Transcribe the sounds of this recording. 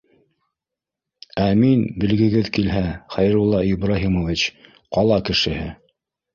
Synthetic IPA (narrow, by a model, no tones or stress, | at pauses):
æminbɘ̆lɡɘ̆ɡɘðkilɦæχæjɾulˠːɑibɾaɦimŏvʲit͡ɕ | qɑlˠɑkɘ̆ʃɘ̆hɘ